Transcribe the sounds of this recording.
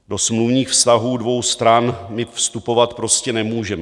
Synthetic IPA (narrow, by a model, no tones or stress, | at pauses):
do̞smluvɲiːxfst̪aɦuːdvo̞wst̪ɾanmɪfst̪upo̞vat̪pɾo̞scɛnɛmuːʒɛmɛ